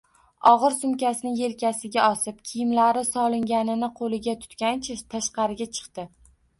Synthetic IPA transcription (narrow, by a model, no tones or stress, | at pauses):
ɒʁɨɾsʊmkʲasɪnɪje̞lkʲasɪɡʲaɒsɪp̚kʲʰɪjɪmlaɾɪsɒlˠɪŋɡʲanɪnɪqʰolɪɡʲat̪ʰʊ̥t̪kʲant͡ʃʰat̪ʰaʃqɑɾɪɡʲat͡ʃʰɨ̥qt̪ɪ